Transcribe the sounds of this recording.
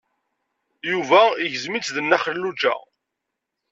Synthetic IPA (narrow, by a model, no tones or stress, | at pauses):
juvæiʝzmit͡sːðənːæχəlːud͡ʒæ̰